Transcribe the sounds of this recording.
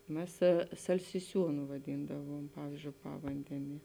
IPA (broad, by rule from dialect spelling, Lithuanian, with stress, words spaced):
ˈmʲɛs sɐlʲsʲɪˈsʲuːnʊ ʋɐˈdʲiːndɐʋuɔm ˈpɑːʋʲiːzʲd͡ʒʲoːʊ ˈpɑːʋɐnʲdʲɛnʲiɛ